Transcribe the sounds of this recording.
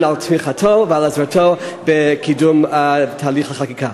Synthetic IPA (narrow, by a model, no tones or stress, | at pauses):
naltmiχatʰovəalazɾatʰobɛkʰidumtʰaːliχləχakikʰa